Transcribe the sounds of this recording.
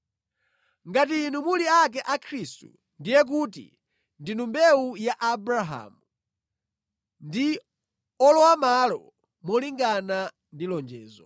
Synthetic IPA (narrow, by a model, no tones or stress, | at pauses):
ŋɡatinumuliak̬ɛʔakʰɾistṵ | ndijɛk̬utḭ | ndinumbɛujaʔabɾaɦa̰mu | ndi | ɔlɔwamalɔ̰ | mɔliŋɡana | ndilɔnd͡ʒɛːzɔ